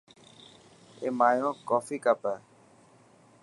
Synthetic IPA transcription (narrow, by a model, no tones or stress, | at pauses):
ḛːmaːjõːkɔːfiːkapə